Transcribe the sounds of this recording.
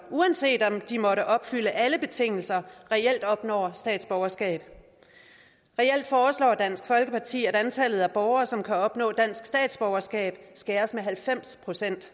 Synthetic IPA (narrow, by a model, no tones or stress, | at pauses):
ʔuænse̝̰ːd̥ɒ̽md̥imɒ̽ɾəʔɒ̽b̥fyləʔæləb̥e̝t͡sʰe̝ŋ̰l̩sɐʁɛel̰d̥ɒ̽b̥nɒ̰ːsd̥ɛ̰ːd̥sb̥ɒʊɐsɡ̥ɛ̰ːb̥ | ʁɛel̰d̥fɒːslɒ̰ːd̥æn̰sɡ̥fɒ̽lɡ̥əpʰɑ̈t͡sʰḭːæɾænt͡sʰælð̩ˠæb̥ɒʊɐːsɒ̽mkʰæɒ̽b̥nɔ̰̽ːd̥æn̰sɡ̥sd̥ɛ̰ːd̥sb̥ɒʊɐsɡ̥ɛ̰ːb̥sɡ̥æɐsmeɦælfem̰spʰʁo̝sen̰d̥